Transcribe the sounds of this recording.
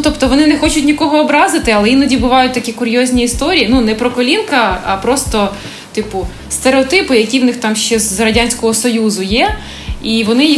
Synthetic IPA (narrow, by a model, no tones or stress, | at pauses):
t̪ɔpt̪ɔʋɔnɪnɛxɔt͡ʃʊtʲnʲikɔɦɔːbɾɑzɪt̪ɪɐlˠɛinɔdʲibʊʋɑjʊt̚ʲt̪ɐkʲikʊɾʲjɔzʲnʲiːst̪ɔɾʲijinunɛpɾɔkɔlʲinkɐɐpɾɔst̪ɔ | t̪ɪpʊ | st̪eɾeɔt̪ɪpʊjɐkʲiwnɪxt̪ɑmʃt͡ʃɛzrɐdʲanʲsʲkɔɦɔsɔjuzʊjɛ | iʋɔnɪ